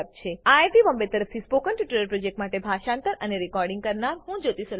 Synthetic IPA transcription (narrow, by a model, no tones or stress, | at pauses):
p̚t͡ʃʰeaeʈ̪iʋəmbet̪əɾəft̪ʰispokənʈiʈəɾəɾpɾod͡ʒek̚ʈmaʈebʱaʃãnt̪əɾəneɾikɔɾɖĩŋɡkəɾnaɾɦũd͡ʒot̪isəl